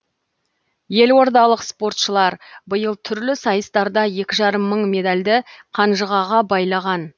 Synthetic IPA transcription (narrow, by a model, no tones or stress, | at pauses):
je̞lwo̞ɾd̪ɑlˠəqspo̞rt̪ʃəlˠɑɾbəjəlˠt̪ʰʏɾlɪsɑjəst̪ɑɾd̪ɑje̞kʲɪʒɑɾəmːəɴme̞d̪alʲd̪ɪqʰɑnʒəʁɑʁɑbɑjlˠɑʁɑn